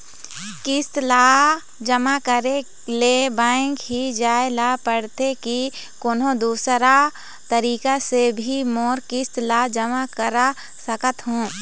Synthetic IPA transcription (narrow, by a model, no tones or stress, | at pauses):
kɪst̪la | d͡ʒəmakəɾe | lebãːŋkɦid͡ʒaːelapəɽt̪ekikonõd̪uːsɾa | t̪əɾiːkasebʱimoːɾkɪst̪lad͡ʒəmakəɾa | səkət̪ɦõː